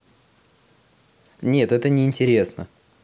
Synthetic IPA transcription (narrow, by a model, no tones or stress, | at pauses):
nʲe̞t̪ɛt̪ənʲɪɪnʲtʲɪɾʲe̞snə̰